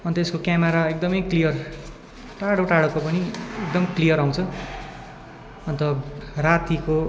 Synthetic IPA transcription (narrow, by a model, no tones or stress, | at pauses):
ʌnt̪eskokjameɾaek̚d̪ʌmʌjklijʌr | ʈaɽoʈaɽokopʌniekd̪ʌmklijʌɾaw̃t͡sʰʌ | ʌnt̪ʌrat̪iko